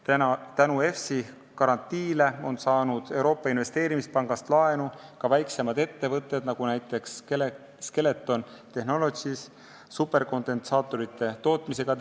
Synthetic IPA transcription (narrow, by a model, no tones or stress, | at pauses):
t̪ænue̞fsi | kɑɾɑnt̪ːiːle̞o̞nsɑːnud̪̥e̞wɾo̞ːpːˑɑinve̞st̪e̞ːɾimispɑŋɡ̥ɑst̪lɑe̞nukɑvæjkse̞mɑd̪̥e̞t̪ːe̞vɤt̪ːˑe̞d̪̥nɑɡ̥unæjt̪ːˑe̞ks | ske̞le̞t̪ːˑo̞nt̪ehno̞lo̞sis | supːˑe̞rko̞nd̪e̞nsɑːt̪ːˑo̞ɾit̪ːˑe̞t̪o̞ːt̪mise̞ɡ̥ɑ